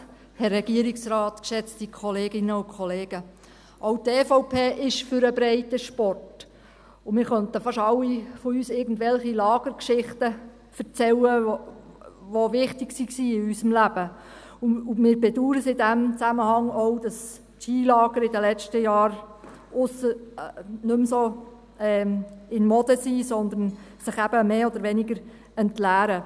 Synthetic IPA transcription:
hɛrːɛɡ̥iəɾɪksɾɑːt̪kʃɛt͡stikʰɔleːɡɪnəʊkʰχɔleːɡ̥ə | ʔowtɛfɔʊpʰeːʔɪʃfʏɾəbɾɛɪtəʃpɔrt | ʊmɪːɾχœnt̪əfɑʃɑlːifɔyːsɪːɾɡən̩dvɛlχilɑːɡ̥əɾkʃɪχtə | fəɾt͡sɛlə | ʋoʋɪχtɪksiksiːɪysəmlæb̥ə | ʊʊmɪːɾbɛd̪uːɾəsɪd̪æmt͡sæməhɑŋɔwd̥ɑs | tʃiːlɑːɡ̥əɾɪdəlɛt͡ʃtəjɑːɾ | ʊsə | nɵmsoː | ɛːɪnmɔd̥̪əsiːsɔnd̪ənsɪχæb̥əmeːɔd̪əɾʋɛnɪɡəɾ | ɛntlæːɾə

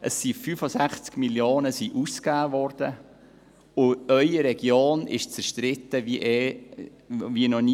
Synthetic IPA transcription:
əsːifyfosæχt͡skmiljoːnəsiʔuskaːvɔrd̥ə | ʊœʏəɾɛɡ̥joːnɪ̰ʃt͡sɛɾʃtɾɪt̪ːəviʔɛ | vinɔni

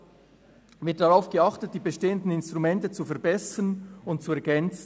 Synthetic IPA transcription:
vɪɐt̚ːɑʁaʊfɡ̥əɑχtət̚d̥iːbeʃteːəndn̩ɪnstʁumɛntət͡sufɛɐbɛsənʊnt̚t͡suɛɐɡɛnt͡sn̩

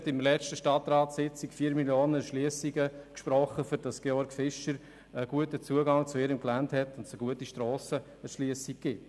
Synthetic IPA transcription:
tɪmlɛt͡ʃtəʃtɑtɾɑːtsɪt͡sɪkfiːɾmiljoːnəʃliəsiɡəkʃpɾɔχːəfyɾd̥ɑsɡ̥eɔɾɡfɪʃəɾ | əɡ̥uətət͡suəɡɑŋt͡sʊɪːɾəmklænthɛtʊndsəɡ̥uətiʃtɾɔːsə | əʃliəsik̚ːɪ

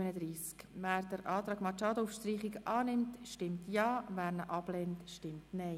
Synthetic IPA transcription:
ənəd̪ɾiːskʋæːɾdəɾʔɑːt̪ɾɑːɡmɑt͡ʃɑːdəufʃtriːχiɡʔɑːnɪmtʃtɪmtjɑːʋæːɾnəʔɑb̥lɛntʃtɪmtnɛɪ

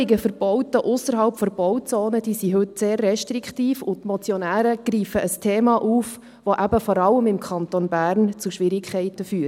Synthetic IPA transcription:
ɪɡəfəɾb̥ɔwtəʔʊsəɾɦɑlpfɔɾb̥ɔwt͡soːnəd̥iːsiɦɵtseːrːɛʃtɾikχtiːfʊt̪mɔt͡sjɔnæːɾəɡ̥riːfəʔəstʰeːmɑːʔuːf | ʋoʔæbəfɔɾɑlːəmɪmkʰɑnt̪onbæːrnt͡suʃʋɪɾɪkʰχɛɪtəfyː

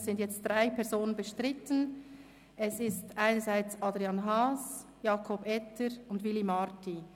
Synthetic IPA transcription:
sz̥ɪntjɛt͡std̥ʁaɪpʰɛɐɾzoːnənbəʃtʁɪtən | ʔɛsɪstʔaɪnəɹzaɪt͡sɑdɾiɑnɦɑːs | jɑːkʰɔbɛtʰəɾʊndvilimɑɾti

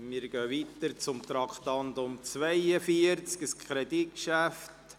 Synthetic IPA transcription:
mɪɾɡœːʋit̪əɾt͡sʊmt̪ɾɑkt̪ɑnt̪ʊmt͡sʋɛɪəfiəɾt͡skəskʰɾɛd̪ikʃæftt

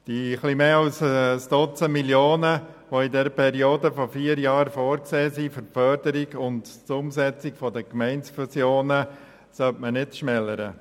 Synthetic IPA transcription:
d̥iχlimeːɑlssd̥ɔt͡səmiljoːnə | ʋoidɛɾəpʰɛɾioːdəfɔfiːəɾjɑːɾfoːɾkseːsifʏɾfœɾdəɾiɡʊntt͡sʊmsɛt͡sɪkfɔdəkmɛɪnsfusjoːnə | sœtmənɪtʃmɛlːəɾə̰

